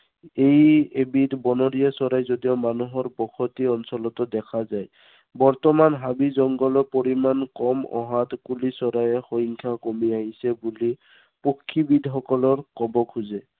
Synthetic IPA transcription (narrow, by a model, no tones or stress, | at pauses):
ejebitbɔnɔɹijasɔɾajzodijɔmanuɦɔɹbɔkʰɔtiɔnsɔlɔtɔdɛkʰazaj | bɔɹtɔmanɦabizɔŋɡɔlɔpoɹimankɔmɔ̰ɦatkulisɔɾajɛxoɦiŋkʰakomiaɦisɛbuli | pokʰːibidʱɦɔkɔlɔɹkɔbɔkʰuzɛ